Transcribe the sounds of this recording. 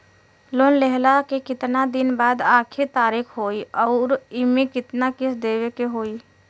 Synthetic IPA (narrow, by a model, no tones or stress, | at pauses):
loːnlɛɦlakekɪt̪nad̪ɪnbaːd̪aːkʰit̪aːɾɪkʰɦoːiɔːɾɪmẽkɪt̪nakɪsd̪eːwekeɦoːi